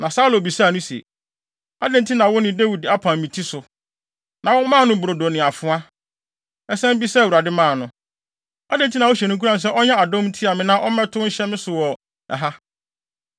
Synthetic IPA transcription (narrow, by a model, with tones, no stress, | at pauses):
nã˨sa˦lo˨bi˨sa˦˨nʊ̃˦si˨ḛ˨ | a˦dɪ̃˨ntʰi˦nã˨wʊ˦nɪ̃˨de˦wi˨da˦pʰã˨m˨mĩ˨tʰi˦sʊ˨ | nã˨wʊ˦mã˦˨nʊ̃˦bu˨ɾo˨do˨nɪ̃˨a˨fʊ˦a˦ | ɛ˦sɛ̃˦m˦bi˦sɛ˦˨wu˨ɾa˨dɪ˦mãː˦˨nʊ̃˦ | a˦dɛ̃˨n˨tʰi˦nã˨wʊ˦ɕɛ˨nʊ̃˦k̬ʰu˦ɾã˦n̩˨s̬ɛ˦ʔɔ˦ɲɛ̃˦a˨dɔ̃˦m˦tʰi˦a˨mɪ̃˦nã˦ʔɔ˦mɛ̃˦tʰʊ˦ɕɛ˦mɪ̃˦sʊ˨wɔ˨ | ɛ̰˨ɦa˦